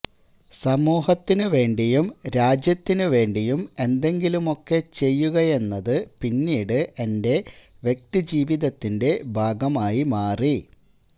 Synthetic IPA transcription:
sɐmuːhɐt̪ːinɨʋe̞ːɳɖijumɾaːd͡ʑjɐt̪ːinɨʋe̞ːɳɖijume̞nd̪e̞ŋɡilumo̞kːe̞t͡ɕe̞jːuɣɐje̞nːɐðɨpinːiːɽɨʔe̞nde̞ | ʋje̞k̚t̪id͡ʑiːʋiðɐt̪ːinde̞bʱaːɡɐmaːjimaːri

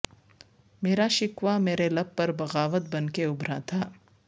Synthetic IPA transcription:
meːɾaʃɪkʋameːɾelɐb̚pɐɾbɐɣaːʋət̪̚bɐnkeʊbɾat̪ʰaː

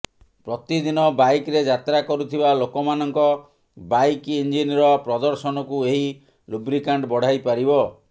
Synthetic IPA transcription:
pɾɔt̪id̪inɔbajkɾed͡ʒat̪ɾakɔɾut̪ʰibalokɔmanɔŋkɔ | bajkind͡ʒinɾɔpɾɔd̪ɔɾsɔnɔkueɦi | lubɾikaɳɖbɔɽ̤ajpaɾibɔ

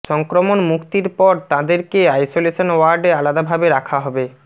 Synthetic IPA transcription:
ʃɔŋkɾomonmukt̪iɾpɔɾt̪ãd̪eɾkeajsoleʃonwaɾɖealad̪abʱabeɾakʰaɦɔbe

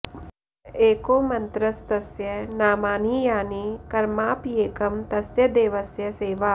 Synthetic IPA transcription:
eːkoːmɐ̃nt̪ɾɐst̪ɐsjɐnaːmaːniːjaːniːkɐɾmaːpjeːkɐmt̪ɐsjɐd̪eːʋɐsjɐseːʋaː

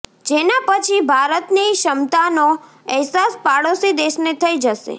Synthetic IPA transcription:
d͡ʒenapət͡ʃʰibʱaɾət̪niʃəmt̪ano | əɦsaspaɽosid̪eʃnet̪ʰəid͡ʒəʃḛ

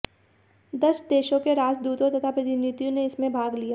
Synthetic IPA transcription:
d̪ɐʃd̪eːʃõkeɾaːd͡ʒd̪uːt̪õt̪ɐt̪ʰapɾɐt̪ɪnit̪jõneɪsmẽbʱaːɡlijaː

